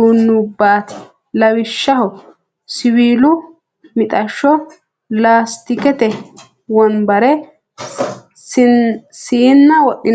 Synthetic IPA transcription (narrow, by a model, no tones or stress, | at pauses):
uːnːʊbaːt̪ʰɪ̥ | lɐwɪʃːɐhɔ | sɪwiːlʊ | mɪt̪ʼɐʃːɔ | laːst̪ɪkɛt̪ɛ | wɔnbɐɾɛ | siːnːɐwɔʔːɪn